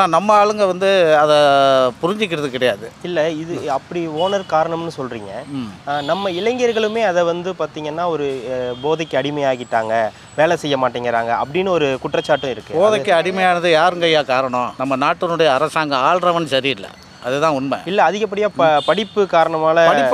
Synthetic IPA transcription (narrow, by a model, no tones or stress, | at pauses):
aːnɐmːɐaːɭɯŋɡɐʋɐnd̪ɯɐðɛpʊɾɪɲd͡ʒɪk̬ːɪɾɐðɯkɪɽɐjaːðɯɪlːɛɪðɯɐpːɐɽioːnɐɾkaːɾɐɳɐmnːɯsɔlɾḭːŋɡɐmnɐmːɐɪlɐŋɡɐɾɣɐɭɯmeːɐðɛʋɐnd̪ɯpaːɾt̪iːŋɡɐnːaːɔɾɯboːðɐkːɐɽɪmɐjaːɣɪʈːaːŋɡɐ | ʋeːɭɛsɛjːɐmaːʈːiːŋɡɪɾaːŋɡɐɐ̰pːɐɽɪnːɯɔɾɯkʊʈːrɐt͡ʃːaːʈːʊ̃ɪɾɯkːɯboːðɐkːɐɐɽɪmɐjaːnɐðɯjaːɾɯŋɡɐjːaːkaːɾɐɳʊ̃nɐmːɐnaːʈːɐnɯɽɐjɐːɾɐsaːŋɡɐaːɭɾɐʋɐnsɐɾiɪlːɐ̰ | ɐðɛt̪ãːʊnmɐ̰̃ɪlːɛɐðɪɣɐp̬ːɐɽɪjaːppɐɽɪpːɯkaːɾɐɳɐmaːlɐɐɽɪ